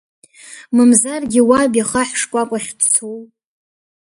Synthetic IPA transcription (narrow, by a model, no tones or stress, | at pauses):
mɨmzarɡʲɪwabjaχaħʂkʷʼakʷʼaχʲdt͡sʰow